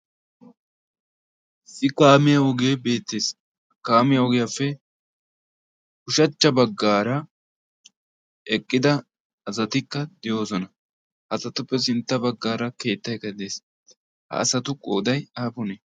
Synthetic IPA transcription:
sɪkaːmɪjɐɔɡe̞ːbe̞ːt̪ːeːs | kaːmɪjɐɔɡɪjafːɛ | kʊʃɐt͡ʃːɐbɐɡːaːɾɐ | ɛkʼːɪd̪ɐ | ɐzɐt̪ɪkːɐd̪ɪjo̞ːsɔnɐ | hɐsɐt̪ʊpːɛs̬ɪnt̪ːɐbɐɡːaːɾɐke̞ːt̪ːɐjkɐd̪eːs | hɐ̰ɐsɐt̪ʊkʼo̞̰ːd̪ɐjaːbʊnɛ

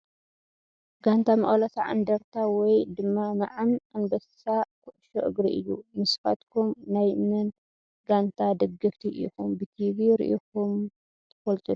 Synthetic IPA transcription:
ɡant̪ʰamɐ̰χʼlɐsʰaʕa̰nd̪ɐɾt̪ʰawɔjd̪ɨmːamaʕanʔanbɐssakʰɨʔʃoʔɨ̰ɡɾiʔɨ̰jːumɨsfa̰t̪kʰumnajmɨn | ɡant̪ʰad̪ɐɡɐft̪ʰiɾʔikumbɨt̪ʰiβiɾḭʔikum | t̪ʰɐ̥fɐlt̪ʼɨd̪

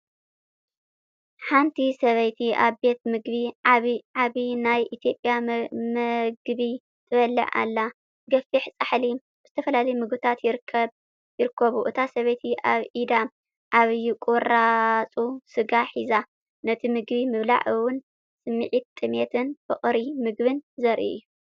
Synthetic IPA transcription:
ħant̪ʰisɐβɐjt̪ʰiaβbe̞t̪mɨɡβiʕaβʕaβinajʔit̪ʰjo̞pʼːjamɨɡβi | t̪ʰɨβɐlːɐ̰ʕa̰lːa | ɡɐfiħt͡sʼaħli | z̥ɨt̪ʰɐfɐlalɐjmɨɡbɨt̪ʰat̪jɪɾʰ | jɪɾɨkːɐβuʔɨt̪ʰasɐβɐjt̪ʰiʔaβʕid̪a | ʔaβjkʼuɾat͡sʼusɨɡaħiza | nɐt̪ʰimɨɡbimɨβla̰ʕɨwʊn | sɨmːiʕit̪t̪ʼːɨmet̪ʰɨnfɨχʼɾimɨɡbɨnzɐɾʔḭʔjːu

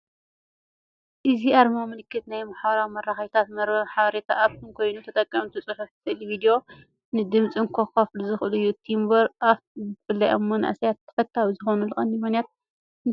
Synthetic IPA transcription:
ʔɨziʔaɾmawmɨlɨkːɨt̪najmaħaβɐɾawimɐɾːaxɐjt̪ʰat̪mɐɾɐħaβɐɾet̪ʰaʔaβt̪ʰɨnkʰo̞jnut̪ʰɐt̪ʼɐkʼːɐmt̪ʰusʼɨħuft̪ʰelebid̪ijo̞ | nɨd̪ɨmt͡sʼiŋkʰokɐfluzɨxɨlɨjːut̪ʰimbɐɾʔafzfɨlːɐʔomːonɨʔa̰sjat̪ʰːɐ̥fɐt̪ʰːawizɨxo̞nulɨχʼɐnːimɨxnijat̪̚ | n

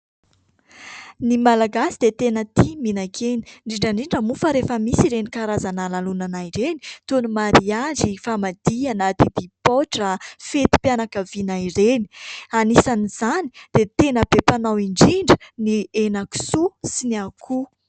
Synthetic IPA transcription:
nimalaɡasid̪et̪enət̪iminakʰeni̥ɳɖ͡ʐiɳɖ͡ʐaɳɖ͡ʐiɳɖ͡ʐəmufəɾefəmisiɾenikaɾazanalalunanaiɾenit̪unumaɾiazifamad̪ianat̪id̪̥ipoʈ͡ʂəfet̪i̥pjanakəvinairenianisaniz̥anid̪̥et̪enəbepanawiɳɖ͡ʐiɳɖ͡ʐə̥nienaku̥susiniakʰu

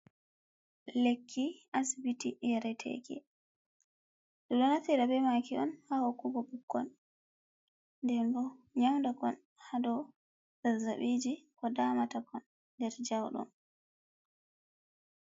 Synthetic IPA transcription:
lekʰːiʔasibitijɛɾɛtʰɛ̰kɛ̰ | ɗɔɗɔnatiɾabɛmakiɔnhahokːuɡɔbukːɔ̰n | dɛndɔɲawndakɔn | hadɔ | zazaɓid͡ʒikɔdamatakʰɔnː | dɛɾd͡ʒawɗɔ̰n

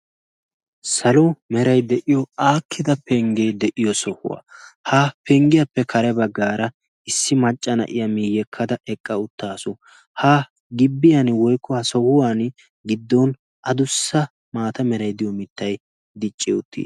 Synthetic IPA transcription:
sɐlɔmɛɾɐjd̪ɛʔɪjɔaːkʰːɪd̪ɐpɛŋɡɛjd̪ɛʔɪjɔsɔhʊ̰wa̰ːhapɛŋɡɪjɐpːɛkʰɐɾɛbɐɡːaːɾɐ | ɪsːɪmɐt͡ʃʼːɐnɐ̰ʔɪ̰jɐmɪjːɛkʰːɐd̪ɐɛkʼːɐʊt̪ːaːsʊ | hɐ | ɡɪbːɪjɐnwɔjkʰːɔhɐsɔhʊwaːn | ɡɪd̪ːɔn | ʔɐd̪ʊsːɐ | maːt̪ɐmɛɾɐjd̪ɪjɔmɪt̪ːɐj | d̪ɪt͡ʃʼːɪʊt̪ːḭː

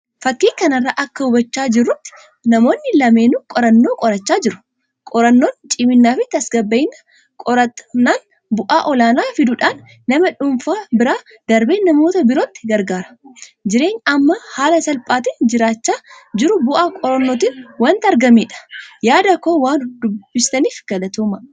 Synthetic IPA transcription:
fɐkːiːkɐnɐrːaːʔɐkːɐʊbɐt͡ʃːaːd͡ʒɪrːʊt̪ːɪ̥ | nɐmo̞ːnːɪlɐmeːnʊkʼɔɾɐnːo̞ːkʼɔɾɐt͡ʃːaːd͡ʒɪɾʊ̥ | kʼɔɾɐnːoːnt͡ʃʼɪmɪnːaːfɪt̪ːɐsɡɐbːɐjɪnːɐ̥ | kʼɔɾɐnːaːn | bʊʔaːʔɔlaːnaːfɪd̪ʊᶑaːnː | ɐmɐᶑʊmfaːbɪɾaː | d̪̥ɐɾbe̞ːnːɐmo̞ːt̪ɐbɪɾoːt̪ːɪ̥ɡɐɾɡaːɾɐ̥d͡ʒɪɾe̞ːɲːɐmːɐhaːlɐsɐlpʼaːt̪ind͡ʒɪɾaːt͡ʃːaːd͡ʒɪɾʊbʊʔaːkʼɔɾɐnːoːt̪iːnwɐːnt̪ɐɾɡɐmeːᶑɐ̥jaːd̪ɐkːoːwaːnd̪ʊb̥ːɪst̪ɐniːfɡ̥ɐlɐt̪uːmɐ

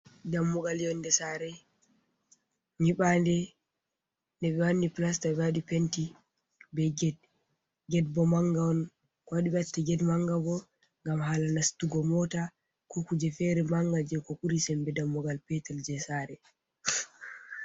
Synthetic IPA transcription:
damːɔɡaljɔndɛsaɾɛ | ɲiɓandɛ | ndɛɓɛwanːiplastaɛwaɗipɛnti | bɛɡɛd̚ | ɡɛdbɔmaŋɡawɔn | kɔwaɗiɓɛatːɛɡɛdmaŋɡabɔ | ŋɡamɦaːlanastuɡɔmɔta | kukud͡ʒɛfɛɾɛmaŋɡad͡ʒɛkɔʔuɾisɛmbɛdamːɔɡalpɛtɛld͡ʒɛsaɾɛ

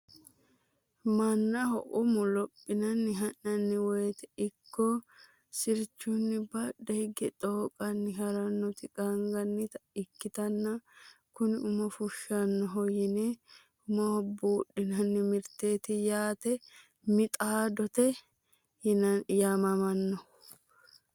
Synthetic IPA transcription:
mɐnːɐhɔ̰ʔʊmʊlɔpʼːɪnɐnːɪɦɐnɐnːɪweːt̪ɛ̥ɪkːɔ | sɪɾt͡ʃːʊnːɪbɐᶑɛhɪɡɛt̪ʼoːkʼɐnːɪɦɐɾɐnːɔt̪ɪɡʼɐŋɡɐnːɪt̪ɪkːɪt̪ɐnːɐ | kʊnɪʊmɐfʊʃːɐnːɔɦɔjɪne | ʊmɐhɔbuːɗːɪnɐnːɪmɪɾt̪e̞ːt̪ɪjaːt̪ɛ | mɪt̪ʼaːd̪ɔt̪ɛ | jamɐmɐnːɔ

